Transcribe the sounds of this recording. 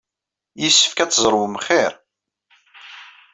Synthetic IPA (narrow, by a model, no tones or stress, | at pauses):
jəsːə̥fkæt͡sːzˤɾˤwəmχɪɾ